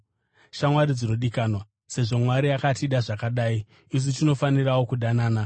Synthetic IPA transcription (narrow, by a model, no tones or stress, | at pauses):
ʃamwaɾid͡zino̞ɗikanwa | se̞ʐo̞mwaɾiakatiɗaʐakaɗai | is̬itino̞fanirawo̞kuɗanaːna